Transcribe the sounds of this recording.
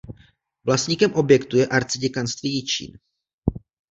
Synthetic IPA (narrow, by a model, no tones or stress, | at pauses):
vlasɲikɛmʔo̞bjɛkt̪ujɛʔaɾt͡sɪɟɛkanst̪vijɪt͡ʃḭːn